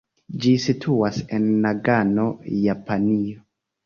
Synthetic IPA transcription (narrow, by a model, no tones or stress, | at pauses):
d͡ʒisitʰuasenːaɡano̞japanio